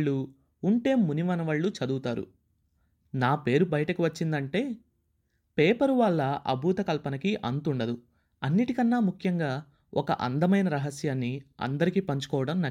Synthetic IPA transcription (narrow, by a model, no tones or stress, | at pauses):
ɭːuː | ɳʈe̞ːmuniʋɐnɐʋɐɭːut͡ʃɐd̪uːt̪aːɾṵ | naːpe̞ːɾubɐjɐʈɐkiʋɐt͡ʃːind̪ɐɳʈe̞ː | peːpɐɾuʋɐɭːɐʔɐ̰bʱuːt̪ɐkɐlpɐnɐkiʔɐnt̪uɳɖɐd̪u | ɐnːiʈikɐnːaːmukʰjɐŋɡaː | ɔkɐ̰ʔɐnd̪ɐmɐjnɐɾɐɦɐsjaːnːiɐ̰nd̪ɐɾikipɐɲt͡ʃu̥kɔːʋɐɽɐmnɐ